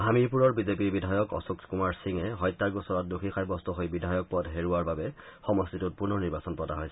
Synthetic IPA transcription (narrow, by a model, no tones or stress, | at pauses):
ɦamipuɹɔɹbizepiɹbidʱajɔkɔ̰sukskumaɹsiŋɛɦɔjtːaɹɡusɔɹɔt̚duxʰixʰajbɔstɔɦojbidʱajɔk̚pɔdɦeɹuaɹbabɛ | xɔmɔstitut̚puɹnɔniɹbasɔnpɹɔda̰ɦojs